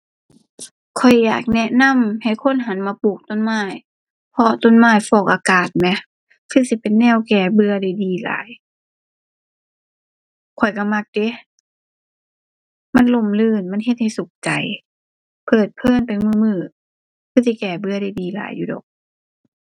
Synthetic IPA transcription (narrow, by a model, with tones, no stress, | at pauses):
kʰɔ˨˩jːa̰ː˨˩k̚nɛ˧ʔna˧˥˨mha˨˩jkʰo˧˥˨nɦa˨˧˦nmaː˧˦puː˧˨˩k̚t̪o˧˨nmaː˧˥˨j | pʰɔ˧t̪o˧˥˨nmaː˧˩jfɔː˧˩k̚ʔaː˧kaː˨˩t̪̚mɛ˧˩ | kʰɯː˧˩˨si˧˦pe˨nːɛː˧˩˨wkɛː˧˩bɯ˧ɐda˧˩jdiː˨˩la̰ː˨˦j | kʰɔ˨˩jka˧˩ma˧˥˩k̚de˧˦ | ma˧˥˨nlo˧˥˨mlɯː˧˥˨nma˧˥˨nɦe˧t̪̚ha˨˩jsu˨˦k̚t͡ɕa˨˩j | pʰɤː˨˩t̪̚pʰɤː˧˥˨npa˨jmɯː˧˩mɯː˧˩ | kʰɯː˧˩˨si˧˦kɛː˧˩bɯ˧ɐɾa˧˩jdiː˨˩la̰ː˨˦jːuː˧dɔ̰ː˨˩k̚